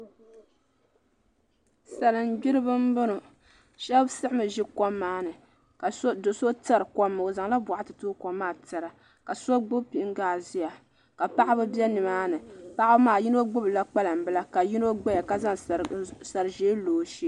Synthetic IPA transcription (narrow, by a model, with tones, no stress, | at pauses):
sa˨lɨ˨n˦ɡ͡bi˦ɾɨ˦bɨ˦m̩˦bʊ˦nʊ˨ | ʃɛ˦bsɨ˦ʔɪ˦mɨ˨ʒi˦kɔ˦mːaː˦nɨ˨ | ka˨sdo˨so˦ta˦ɾɨ˨kmːɨ˨o˨za˨ŋla˦bʷa˨ʔa˦tɨ˨tuː˦kɔ˦mːaː˦˨tɨ˨ɾa˨ | ka˨so˦ɡ͡bʊ˦pi˨˦ŋ˦ɡaː˨zi˦ja˨ | ka˨pa˦ʔa˦bɨ˦bɛ˦nɨ˨maː˦nɨ˨pa˦ʔa˦bmaː˨ji˦no˦ɡ͡bʊ˦bɨ˨la˦k͡pa˦la˨m̩˨bɨ˦la˦ka˨ji˦no˦ɡ͡bɛ˦ja˨ka˦za˦ŋsa˨ɾɨ˨ʒeː˦loː˨ʃi˦